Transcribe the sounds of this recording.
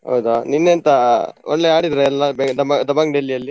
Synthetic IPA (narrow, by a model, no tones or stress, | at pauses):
ɦɐ̰wd̪aninːeɐnt̪ɐɔnlːeaːɽid̪ɾeɛlːɐbd̪ɐmɐd̪ɐbɐŋɖelːijɐlːi